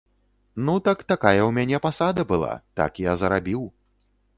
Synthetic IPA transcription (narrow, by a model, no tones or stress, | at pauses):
nut̪ɐkt̪akajɐwmʲanʲɛpasad̪ɐbɨlˠa̰t̪a̰kjazɐɾabʲiw